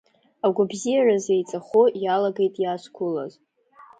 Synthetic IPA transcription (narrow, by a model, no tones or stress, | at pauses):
aɡʷʊbzijarazejt͡sʼaχojalaɡe̞jtʼjaskʷʰʊla̰z